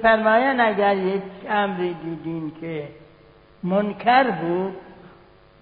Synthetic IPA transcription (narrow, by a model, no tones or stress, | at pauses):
efæɾmɒːjænd̪æɡæɾjekʰæmɾiːd̪iːd̪iːnkʰe | monkʰæɾbuːd̪